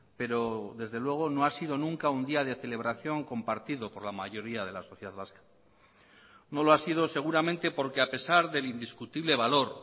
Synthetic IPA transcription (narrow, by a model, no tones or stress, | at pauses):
pe̞ɾo̞ðe̞zðe̞lwe̞ɣ̞o̞no̞asiðo̞nũŋkaund̪iað̞e̞θe̞le̞β̞ɾaθjo̞ŋko̞mpaɾt̪iðo̞po̞ɾlamaʝo̞ɾiað̞e̞lasoθjeðaðβaskḁ | no̞loasið̞o̞se̞ɣ̞uɾamẽnt̪e̞po̞ɾke̞ape̞saɾðe̞lind̪iskut̪iβle̞βalo̞ɾ